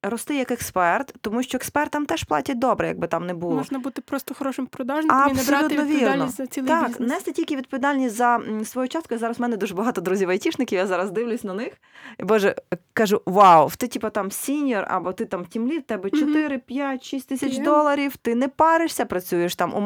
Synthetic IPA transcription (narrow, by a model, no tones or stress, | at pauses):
rɔst̪ɪjɐkekspɛrt̪ːɔmuʃt͡ʃɔekspɛrt̪ɐmt̪ɛʃplˠɑ̰tʲɐt̚ʲd̪ɔbɾɛjɐ̰ɡ̚bɪt̪ɑmnɛbumlˠɔʒnɐbut̪ɪpɾɔst̪ɔxɔɾɔʃɪmpɾɔd̪ɑʒnɐssɔlʲut̪ɔʋʲinɔsʲzɐt͡sʲilˠt̪ɑknɛst̪ɛtʲilʲkʲɪʋʲid̪̚pɔʋʲd̪ɑlʲnʲisʲtʲzɐsʋɔjut͡ʃɑs̚kʊjizɑɾɐzmɛnɛd̪uʒɛbɐɦɑt̪ɔd̪ɾuzʲiʋɐjtʲiʃnɪkʲiwjazɑɾɐzd̪ɪʋwlʲʊsʲnɐnɪx | ibɔʒɛkɐʒuʋɑwwt̪ɪtʲipɐt̪ɑmsʲinʲjɔrɐ̰bɔt̪ɪt̪ɑmtʲimlʲit̪ɛbɛt͡ʃɔt̪ɪɾɪpʲjatʲʃisʲt̪ʲɪsʲɐt͡ʃd̪ɔlˠɐɾʲiwt̪ɪnɛpɑɾɪʃsʲɐpɾɐt͡sʲujeʃt̪ɑmʔṵ